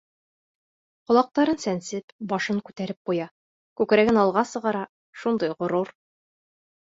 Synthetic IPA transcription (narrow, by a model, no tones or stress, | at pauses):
qŏlˠɑq̚t̪ɑɾɤnsænsɘpbɒʃɤŋkʉt̪æɾɘp̚qujɑ | kʉkɾæɡɘnɑlˠʁɑsɤ̆ʁɑɾɑ | ʃund̪ɤjʁŏɾuɾ